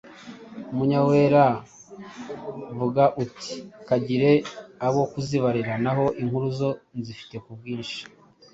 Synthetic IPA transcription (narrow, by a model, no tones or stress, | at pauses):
umuɲawe̞ɾa | vuɡaʔutʰi̥kaɟiɾe̞aβo̞kuziβaɾiɾanaɦo̞ʔiŋ̥huɾuzo̞nzifi̥te̞kub̚ɡiːnʃi̥